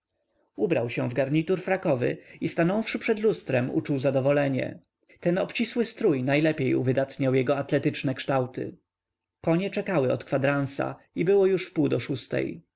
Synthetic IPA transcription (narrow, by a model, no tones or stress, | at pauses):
ubɾawɕɛ̃vɡaɾɲit̪uɾfɾakɔvɘ̰ist̪anɔ̃wfʂɘpʂɛd̪lust̪ɾɛmṵt͡ʂuwzad̪ɔvɔlɛɲɛ̰ | t̪ɛnɔpt͡ɕiswɘst̪ɾujnajlɛpʲjejṵvɘd̪at̪ɲawjɛɡɔat̪lɛt̪ɘt͡ʂnɛkʂt̪awt̪ɘ̰ | kɔɲɛt͡ʂɛkawɘɔt̪kfad̪ɾansa̰ | ibɘwɔjuʂfpuwd̪ɔʂust̪ɛ̰j